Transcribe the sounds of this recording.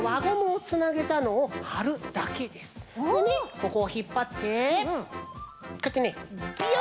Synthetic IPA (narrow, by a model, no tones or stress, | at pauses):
βaɡomoːt͡sɨnaɡe̞t̪ano̞ːhaɾɯ̟d̪̥ake̞d̪e̞sɨ̥nomʲiko̞ko̞ːçipːat̪ːe̞ | kot̪ːenebi